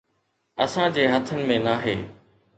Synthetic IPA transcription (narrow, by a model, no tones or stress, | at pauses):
ɐsãd͡ʑeːɦɐt̪ʰənɪ̆mẽnaːɦḛː